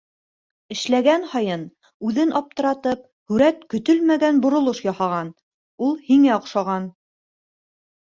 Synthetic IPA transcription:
ɘ̆ʃlæɡænhɑjɤn | ʉðɘnʔɑp̚t̪ɤ̆ɾɑt̪ɤp̚ | hʉɾæt̪kɵ̆t̪ɵlmæɡænbŏɾŏlˠoʃjɑhɑʁɑn | ulˠhiŋæŏqʃɑʁɑn

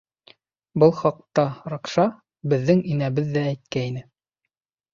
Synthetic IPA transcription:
bɤlˠχɑq̚t̪ɑɾɑqʃɑ | bɘ̆ðːɘŋinæβɘðːæːjt̪̚kæinɘ

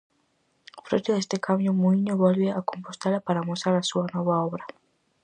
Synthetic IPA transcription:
fɾot̪eðest̪ɪkamjʊmuiɲʊβɔlβeakompost̪elapaɾamosaɾasuɐnɔβaɔβɾɐ

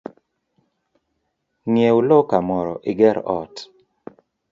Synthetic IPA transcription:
ŋjewlɔkamɔɾɔ̰ʔɪɡɛɾɔt

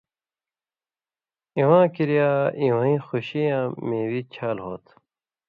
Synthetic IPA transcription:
ĩwãːkiɾijaːĩwãːĩːxuɕijãːmẽːwit͡ɕʰaːlɦoːt̪

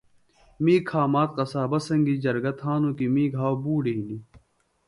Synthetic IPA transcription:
miːkʰaːmaːt̪̚qɐsaːbɐsɐŋɡid͡ʑɐɾɡɐt̪ɦaːnõːkimĩːɡʱaːwbuːɽeini

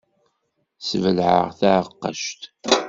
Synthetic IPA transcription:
svəlʕə̰ʁθaʕəqːə̰ʃt̪

